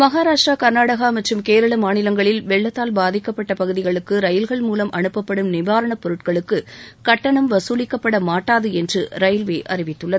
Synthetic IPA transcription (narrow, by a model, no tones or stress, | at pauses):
mɐɣaːɾaːʂʈrakɐɾnaːɽɐɣamɐʈrɯmkeːɾɐɭɐmaːnɪlɐŋɡɐɭɪlʋɛɭːɐt̪ːaːlbaːðɪkːɐpːɐʈːɐpɐɣɯðɪɣɐɭɯkːɯɾɐjɪlɣɐɭmuːlɐmʔɐɳɯpːɐpːɐɽɯmnɪʋaːɾɐɳɐpɔɾɯʈ̚kɐɭɯkːɯkɐʈːɐɳɐmʋɐsuːlɪkːɐpːɐɽɐmaːʈːaːðɯɛndrɯɾɐjlʋeːʔɐ̰rɪʋɪt̪ːɯɭːɐðɯ